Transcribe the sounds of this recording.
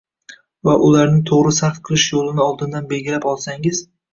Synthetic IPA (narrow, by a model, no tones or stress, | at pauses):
vaʔʊlaɾnɪt̪ʰoʁɾɪsaɾfqʰɨlˠɪʃjolˠɪnɪɒlˠd̪ɪnd̪anbe̞lɡʲɪlapɒlˠsaŋɪz̥